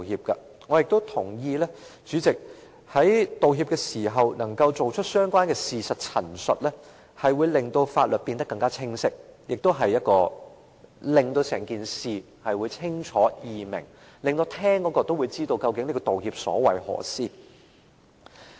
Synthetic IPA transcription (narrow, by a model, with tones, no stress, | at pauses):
hiː˧p̚kɐ˧ | ŋɔ˨˧jɪ˨k̚t̪o˥wt̪ʰʊ˨˩ŋjiː˧lɛ˥t͡ʃyː˨˥t͡sɪ˨k̚ | hɐ˨˥jt̪o˨wɦi˧pkɛː˧siː˨˩ɦɐ˨wnɐ˨˩ŋkɐ˧wt͡so˨wt͡ʃʰɵ˥t̚sœː˥ŋkʷwaː˥nkɛː˧siː˨sɐ˨t̚t͡sʰɐ̰˨˩nsɵ˨t̚lɛː˥ | hɐ˨jwuː˨˧jlɪ˨˩ŋt̪o˧wfaː˧t̚lɵ˨t̚piː˧nt̪ɐ˥kːɐ˧ŋkaː˥t͡sʰɪ˥ŋsɪ˥k̚jʔɪ˨k̚t̪o˥wɦɐ˨jːɐ˥t̚kɔː˧ | lɪ˨ŋt̪o˧wsɛː˨˩ŋkiː˨nsiː˨ | hɐ˨jwuː˨˧jt͡sʰɪ˥ŋt͡ʃʰɔː˨˥jiː˨mɪ̰˨˩ŋ | lɪ˨ŋt̪o˧wt̪ʰɛː˥ŋkɔː˨˥kɔː˧t̪o˥wu˨˧jt͡siː˥t̪o˧wkɐ˧wkɪ˨˥ŋnliː˥kɔː˧t̪o˨whiː˧p̚sɔ̰ː˨˥wɐ̰˨jhɔ̰ː˨˩siː˥